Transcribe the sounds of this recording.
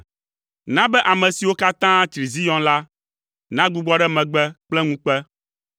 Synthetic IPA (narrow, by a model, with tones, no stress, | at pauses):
nã˦bɛ˦ʔa˨mɛ̃˨si˨wo˦ka˦t̪ã˦t̪ɾi˨zi˦jɔ̃˦nla˦ | nã˦ɡ͡bu˦ɡ͡bɔ˦ɖɛ˦mɛ̃˨ɡ͡bɛ˦k͡plɛ˦ŋũ˦k͡pɛ˦